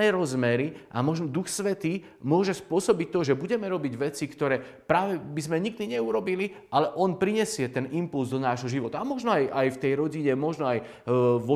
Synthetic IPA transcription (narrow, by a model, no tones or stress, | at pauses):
ɛɾɔzmɛɾiʔa̰mɔʒnɔd̪uxsʋɛt̪iː | mʊɔʒɛspʊɔsɔbict̪ɔʒɛbuɟɛmɛɾɔbiɟʋɛt͡sikt̪ɔɾɛː | pɾaːʋɛbizmɛɲiɡ̚d̪iɲɛuɾɔbili | ʔalɛʔɔnpɾiɲɛsɪɛt̪ɛnimpulzd̪ɔnaːʒɦɔʒiʋɔt̪aamɔʒnɔajʔajft̪ɛjɾɔɟiɲɛmɔʒnɔaj | ʋɔ